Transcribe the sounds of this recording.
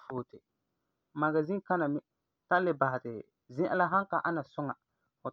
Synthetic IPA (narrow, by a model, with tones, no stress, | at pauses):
foː˨tɪ˨ | ma˨ɡa˨zĩ˦ka˦na˨mɪ˦ | tã˦lɪ˦ba˨hɪ˨tɪ̰˨ | zɪ̃˦ʔa̰˦la˦ɦã˦ŋka˨ʔa˦na˨sʊ˦ŋa˨ | fʊ˨